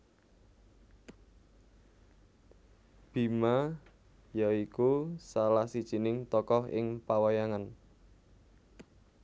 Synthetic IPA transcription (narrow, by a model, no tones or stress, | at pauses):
b̥i̤ma | jaikusalahsid̥ʒ̥i̤nɪŋt̪ɔkɔɦɪ̰ŋpawajaŋan